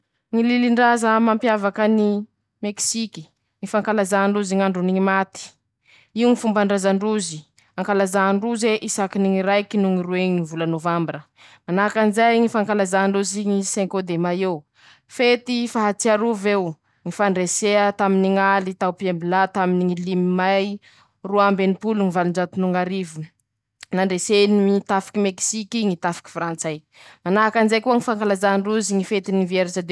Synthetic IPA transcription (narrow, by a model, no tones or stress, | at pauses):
ŋililiɳɖ͡ʐazəmampjavakəni | meksiki̥ | ŋifaŋkalazaɳɖ͡ʐuziŋaɳɖ͡ʐuniɲimat̪i̥ | iuŋifumbaɳɖ͡ʐazaɳɖ͡ʐuzi | aŋkalazaɳɖ͡ʐuzeʔisakiniŋiɾajkinuŋiɾueɲivulanovambiɾə | manakanzajŋifaŋkalazaɳɖ͡ʐuziɲiseŋkod̪emaew | fet̪ifaɦat͡siaɾuvew | ŋifaɳɖ͡ʐeseət̪aminiŋalit̪awpiembilat̪aminiŋilimimaj | ruambenipuluŋivaluɳɖ͡ʐat̪unuŋaɾivu | naɳɖ͡ʐesenimit̪afi̥kimeksikiŋit̪afi̥ki̥frant͡saj | manaakanzajkuaŋifaŋkalazaɳɖ͡ʐuziŋifet̪inivieɾit͡ʃad̪e